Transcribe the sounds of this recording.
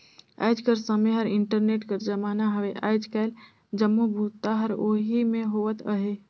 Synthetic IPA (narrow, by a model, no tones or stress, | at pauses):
a̰ːd͡ʒkəɾsəmeɦəɾɪ̃ɳʈəɾneːʈkəɾd͡ʒəmaːnaɦəʋeʔaːɪd͡ʒkaːl | d͡ʒəmːobʱuːt̪ːaɦəɾoːɦimẽɦoːʋət̪əɦe